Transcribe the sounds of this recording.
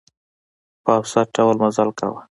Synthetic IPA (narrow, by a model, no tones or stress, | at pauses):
paːwsaɖawəlmazalka̰wa̰